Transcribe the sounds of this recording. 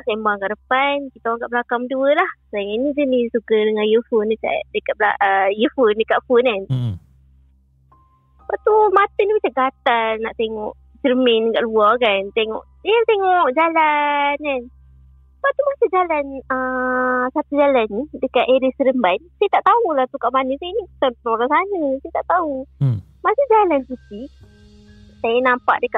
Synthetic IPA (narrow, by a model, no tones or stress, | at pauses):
sambaŋkaʔɾəpankit̪awaŋkaʔbəlakamduəlahslajainid͡ʒənisukədəŋãjəfundəka̰ʔdəkaʔ̪̚baəjəfundəkaʔfunan | waʔt̪umat̪ənibit͡ʃaʔɡat̪anːaʔt̪eŋɔʔ | t͡ʃərminɡaʔluɔkant̪eŋɔ̰ʔsajat̪eŋɔʔd͡ʒalankan | paʔt̪umasid͡ʒalanəsat̪ud͡ʒalanidəkaʔ̪eɾisəɾəmbansajat̪aʔt̪aulaht̪ukaʔmanəsajanit̪anpənoɾansanəsajat̪aʔt̪au | masad͡ʒalansut̪i | sajanampa̰ʔdəkaʔ